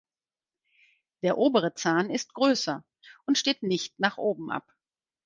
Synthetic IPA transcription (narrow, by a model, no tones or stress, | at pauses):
d̥eːɐʔoːbəʁ̞ət͡saːnɪst̚ɡ̥ʁøːsɐ | ʔʊntʃteːtnɪçtnaːχʔoːbm̩ʔa̰p